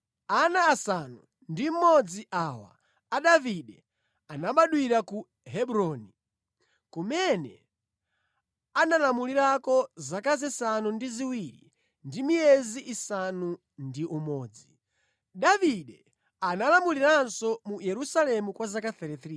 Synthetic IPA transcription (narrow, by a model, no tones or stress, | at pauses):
anaːsanu | ndim̩mɔd͡ziʔawa̰ː | ɗaviɗɛ | anaɓaɗwiɾaku | ɦɛɓuɾɔni | kumɛnɛ | analamuliɾakɔzakazɛsanundiziwiɾḭ | ndimiɛziʔisanu | ndiʔumɔːd͡zi | ɗaviɗɛ | analamuliɾansɔmujɛɾusalɛmukwazakaθɛɾɛθɾi